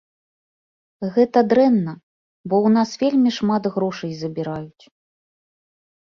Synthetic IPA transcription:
ɣɛt̪ɐd̪ɾɛnːɐ | bɔwnasvʲelʲmʲiʂmat̪ɣɾɔʂɐjzɐbʲiɾajut͡sʲ

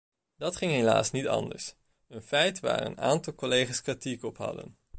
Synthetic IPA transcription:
d̥ɑtχɪŋɦela̰ːsnitɑ̰ndə̰ɹs | ənfɛjtʋa̰ːɹə̰naːntɑlˠkɔlejχaːskritikɔpɦɑ̰də̰n

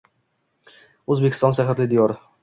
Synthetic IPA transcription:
ɵzbeɪ̥st̪ɒnʃaɦɪɾlɪd̪ijɒɾ

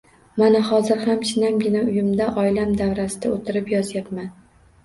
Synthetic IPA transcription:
manahɒzɪɾhamt͡ʃʰɪnamɡʲɪnaʊjɪmd̪aʔɒjlamd̪avɾasɪd̪aot̪ʰɪɾɪpjɒzjapman

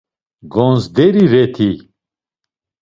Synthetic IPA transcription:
ɡɔ̃nzd̪ɛɾiɾɛt̪ʰi

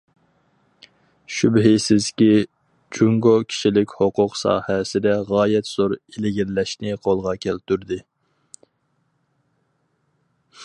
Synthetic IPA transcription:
ʃybɦɪsɪzkʲi | d͡ʒuŋɡokʲʰi̥ʃilɪkʲhoqʊqsɑ̰ːhɛsɪd̪ɛʁɑːjɛt̪z̥oɾelɪɡʲiɾlɛʃnɪqʰolˠʁɑkʲʰɛlt̪ʰyɾd̪ɪ

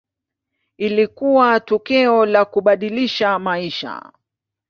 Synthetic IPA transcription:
ilikuwatɔkɛɔlakuɓaɗiliʃamaiʃa̰

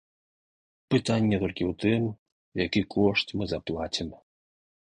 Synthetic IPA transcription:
pɨt̪anʲːɛt̪ɔlʲkʲiwt̪ɨm | jakɨkʰɔʂtʲmɨzaplˠat͡sʲim

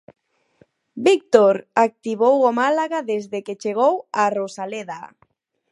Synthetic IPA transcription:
bik̚t̪oɾak̚t̪iβowomalaɣaðezðeket͡ʃeɣ̞owarosaleða

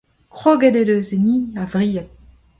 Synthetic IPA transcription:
kχoɡededøzeniavʁiːa

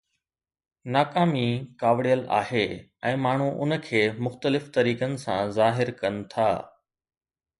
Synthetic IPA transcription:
naːkaːmikaːʋɽijəla̰ːɦeː | ɛ̃ːmaːɳ̤uʔʊ̰n̆kʰeːmʊxt̪əlɪft̪ɐɾiːkənɪ̆sã̰zaːɦɪɾkɐnɪ̆t̪ʰa̰ː

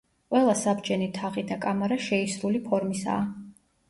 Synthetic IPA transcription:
qʼwɛlˠasabd͡ʒʼɛnit̪ʰaʁid̪akʼamaɾaʃɛisɾulipʰɔɾmisa̰ː

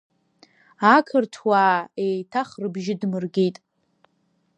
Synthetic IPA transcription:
akʰɨrtʰwaːejtʰaχrɨbʒɪdmɨrɡʲejtʼ

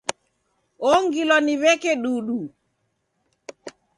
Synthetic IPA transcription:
ɔŋɡilɔniβɛkɛɗuɗu

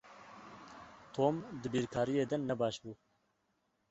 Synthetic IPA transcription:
t̪ʰoːmd̪ɨbiːɾkʰɑːɾijeːd̪ɛnːɛbɑːʃbuː

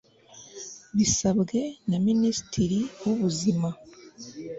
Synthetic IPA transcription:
βisabɡe̞naminisi̥tiɾiwuβuzima

